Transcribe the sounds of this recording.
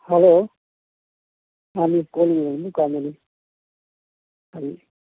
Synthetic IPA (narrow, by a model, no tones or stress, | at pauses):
hɛlo | amikolimukamili | abi